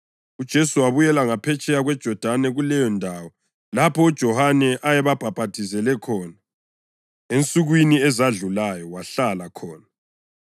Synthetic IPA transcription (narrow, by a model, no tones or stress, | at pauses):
ud̥ʒ̥ʱesuwaβujɛlaŋapʰɛt͡ʃʼɛjaɣwɛd̥ʒ̥ʱɔd̥ʱanɛɣulɛjɔndʱawɔ | lapʰɔud̥ʒ̥ʱɔhanɛʔajɛβab̥ʱab̥ʱatʰizɛlɛkʰɔːna | ent͡sʼuɣwiniɛzaɮulajɔwaɬalakʰɔːna